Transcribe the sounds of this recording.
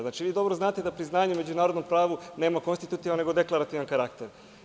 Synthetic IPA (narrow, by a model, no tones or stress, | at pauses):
znaːt͡ʃiʋiːd̪o̞bɾoznaːt̪e̞d̪apɾiznaːɲume̞d͡ʑunaːɾod̪no̞mpɾaːʋune̞ːmako̞nst̪it̪ut̪iʋanːeɡo̞d̪e̞klˠaɾat̪iʋankaɾakt̪eɾ